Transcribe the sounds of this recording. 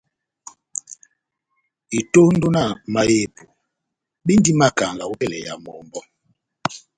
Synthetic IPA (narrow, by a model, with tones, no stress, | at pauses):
i˨to˦n̩˦do˦na˦˨ma˨je˨pu˨ | ɓi˦n˦di˦ma˦ka˨ŋɡa˨wɛ˦˨lɛ̰˨ja̰˨mɔ˨mbɔ˦